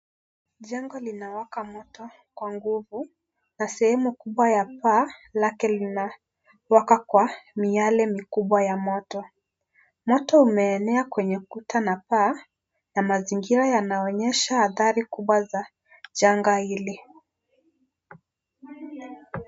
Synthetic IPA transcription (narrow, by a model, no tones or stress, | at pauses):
ʄɛŋɡɔlinawakamɔtɔ | kwaŋɡuvu | nasɛhɛmukuɓwajapaːlakɛlina | wakakwamialɛmikuɓwajamɔtɔ | mɔtɔumɛːnɛakwɛɲɛkutʰanapaː | namaziŋɡiɾajanaɔɲɛʃahaθaɾikuɓwaza | ʄaŋɡaili